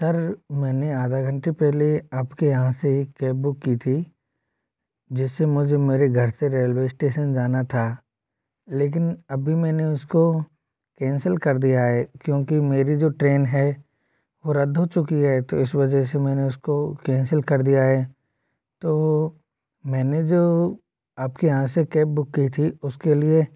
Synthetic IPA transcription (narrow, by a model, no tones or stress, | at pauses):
sɐɾmɛ̃ːneaːd̪ʱaɡʱɐ̃ɳʈepɛɦleaːpkejɐɦãseikɛːp̚bʊkːit̪ʰi | d͡ʒɪsːemʊd͡ʒʱemeːɾeɡʱɐɾseɾeːlʋeːɪsʈeːʃənd͡ʒaːnat̪ʰa | leːk̬ɪnɐbʱimɛ̃ːneʊsko | kɛ̃ːnsəlkɐɾd̪ijaɦɛːkjõːkimeːɾid͡ʒoːʈɾeːnɦɛ | ʋoɾɐd̪ʱɦot͡ʃʊkiɦɛt̪oɪsʋɐd͡ʒəs̬emɛ̃ːneʊskokɛ̃ːnsəlkɐɾd̪ijaɦɛː | t̪oː | mɛ̃ːned͡ʒoː | aːpkĩãsekɛːp̚bʊkːit̪ʰiʊskelie